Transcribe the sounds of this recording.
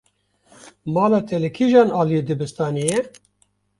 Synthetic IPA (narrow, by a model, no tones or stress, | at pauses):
mɑːlɑːt̪ʰɛlɛkʰiʒɑːnɑːlijed̪ɨbɨst̪ɑːnijɛ